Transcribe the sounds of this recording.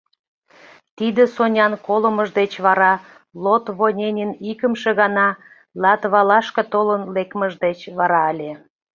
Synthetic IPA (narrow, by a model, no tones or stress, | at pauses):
t̪id̪əsonʲɑnkoləməʒd̪et͡ɕβɑɾɑ | lot̪βonʲenʲenikəmʃeɣɑnɑ | lɑt̪βɑlɑʃkə̆t̪olənlekməʒd̪et͡ɕβɑɾɑəlʲe